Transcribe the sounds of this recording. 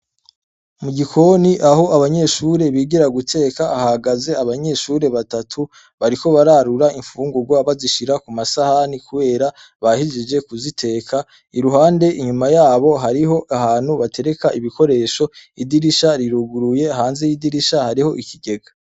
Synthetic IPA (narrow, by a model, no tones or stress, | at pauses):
muɟikʰo̞niʔaɦo̞aβaɲe̞ʃuɾe̞βiːɡiɾaɡutʰe̞ːkaːhaaɡaze̞aβaɲe̞ʃuɾe̞βatatʰu | βaɾiko̞βaɾaɾuɾaiɱfuːŋɡuɾɡwaβaziʃiɾakumasahanikuβe̞ːɾa | βahiʒid͡ʒe̞kuzitʰe̞ːkʰa | iɾuɦaːnde̞ʔiɲumajaːβo̞ɦaɾiɦo̞ʔaɦaːn̥huβatʰe̞ɾe̞kaʔiβiko̞ɾe̞ːʃo̞idiɾiʃaɾiɾuɡuɾuje̞ɦaːnze̞jidiɾiʃahaɾiho̞ʔikʰiɡe̞ɡa